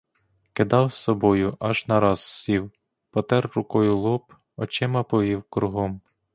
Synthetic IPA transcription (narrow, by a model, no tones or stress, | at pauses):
kɪd̪ɑwsɔbɔjʊʔɐʒnɐɾɑzsʲiw | pɔt̪ɛrːʊkɔjʊlˠup | ɔt͡ʃɛmɐpɔʋʲiwkɾʊɦɔm